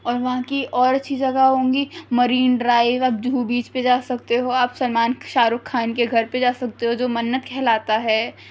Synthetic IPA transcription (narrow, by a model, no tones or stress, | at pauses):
ɔːɾʋɐɦãkiʔɔːɾɐtːʃʰid͡ʒɐɡaɦõːŋɡimɐɾiːnɖɾaːɪʋaːp̚d͡ʒʱuːbiːt͡ʃped͡ʒaːsɐk̚t̪eɦoaːpsɐlmaːnʃaːɾʊkʰːaːnkeɡʱɐɾped͡ʒaːsɐk̚t̪eɦod͡ʒoːmɐnːət̪kʰɛːlaːt̪aɦɛː